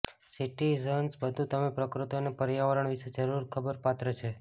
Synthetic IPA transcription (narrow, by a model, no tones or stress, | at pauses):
siʈizənsbəd̪ʱũt̪əmepɾəkɾut̪onepəɾjaʋəɾəɳʋiʃed͡ʒəɾuɾkʰəbəɾpat̪ɾət͡ʃʰe